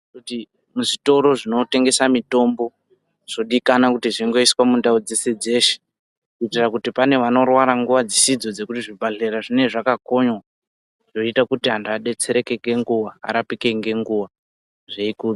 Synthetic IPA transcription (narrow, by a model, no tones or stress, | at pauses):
kuti | muʐito̞ɾo̞ʐino̞te̞ŋɡe̞samito̞mbo̞ | ʐ̥o̞ɗikanakutiʐiŋɡo̞iswamundaod͡ze̞se̞d͡ze̞ʃe̥ | kuitirakutipane̞ʋano̞rwaɾaŋɡuʋad͡zisid͡zo̞d͡ze̞kutiʐibʱaɮeɾaʐine̞ʐakako̞ɲwa | ʐoitakutiɦandaɗe̞t͡se̞ɾe̞ke̞ŋɡe̞ŋɡuʋaa̰ɾapike̞ŋɡe̞ŋɡuʋa | ʐeiku